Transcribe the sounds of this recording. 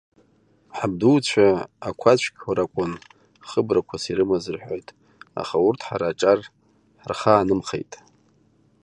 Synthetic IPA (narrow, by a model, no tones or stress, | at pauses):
ħab̚duwt͡ɕʷʰaakʷʰat͡ɕʷʰkʲaɾakʷʼʊn | χəbrakʷʰasiɾɨmazɨrħʷojtʼ | a̰χaurtʰħa̰ɾaʈ͡ʂʼar | ħrχaːnɨmχḛjtʼ